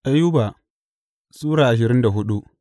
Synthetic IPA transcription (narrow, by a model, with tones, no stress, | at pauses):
ʔa˦jːʊ˦ba˨ | sʼuː˦ɽaː˨ʔa˨ʃ̬ɪ˨ɾɪ˦nda˨ɦʊ˦ɗu˦ʔ